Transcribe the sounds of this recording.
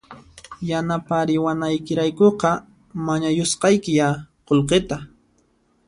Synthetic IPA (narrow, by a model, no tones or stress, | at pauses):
janapaɾɪwanajkɪɾajkoqɑ | maɲajosqɑjkɪjaqolqet̪a